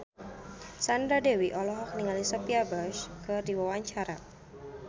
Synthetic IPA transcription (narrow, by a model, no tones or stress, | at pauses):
sand̪ɾadewiʔɔlɔɦɔk̚niŋalisəpiabaʃkədiwawaɲt͡ʃaɾa